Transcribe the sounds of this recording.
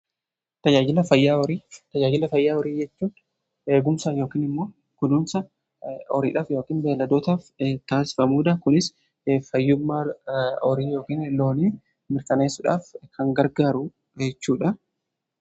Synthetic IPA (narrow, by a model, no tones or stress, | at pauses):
t̪ɐd͡ʒaːd͡ʒɪlɐfɐjːaːɔɾiːt̪ɐd͡ʒaːd͡ʒɪlɐfɐjːaːɔɾiːd͡ʒɛt͡ʃːuːᶑ | e̞ːɡʊmsaːjo̞ːkiːnɪmːo̞ː | kʊd̪uːmsɐ | ɔɾḭːᶑaːfjo̞ːkiːnbeːlɐd̪oːt̪aːft̪aːsɪ̥fɐmuːᶑ̪ɐkʊnɪs | fɐjːʊmːaːɔɾiːjo̞ːkiːnlo̞ːniː | mɪɾkɐneːsːʊᶑa̰ːfkʰɐŋɡɐɾɡaːɾʊ | d͡ʒɛt͡ʃːuːᶑɐ